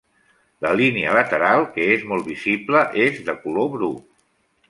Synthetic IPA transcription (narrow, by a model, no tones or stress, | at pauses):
ləliniələt̪əɾalˠkəezmɔlˠβizibləʔezðəkuloβɾu